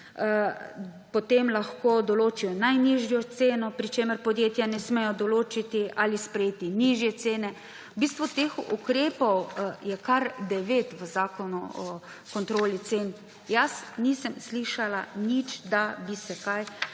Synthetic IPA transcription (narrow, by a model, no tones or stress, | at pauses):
pot̪emlaxkoːd̪ɔloːt͡ʃijɔnajniʒjɔt̪seːnɔpɾit͡ʃeːməɾpɔd̪jeːt̪janɛsmɛjɔd̪ɔloːt͡ʃit̪iʔalispɾɛjeːt̪iniʒjɛt̪seːnɛ | biːst̪ʋut̪eːxṵkɾeːpɔwjɛkaɾd̪ɛʋeːt̪ʋəzaːkɔnuɔ | kɔnt̪ɾoːlit̪seːn | jasnisɛmsliːʃalanit͡ʃd̪abisɛkaj